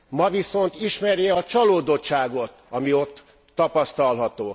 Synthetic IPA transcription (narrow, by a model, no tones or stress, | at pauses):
mɒviso̞nt̪iʃmɛrjɛɒt͡ʃɒloːd̪o̞tʃaːɡo̞t̪ɒmio̞t̪ː | ɒpɒst̪ɒlɦɒt̪oː